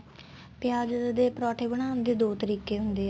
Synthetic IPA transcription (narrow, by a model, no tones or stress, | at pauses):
pɪjaːd͡ʒd̪eːpɾɔːʈʰeːbəñaːnd̪eːd̪oːt̪əɾiːkeːɦʊnd̪eː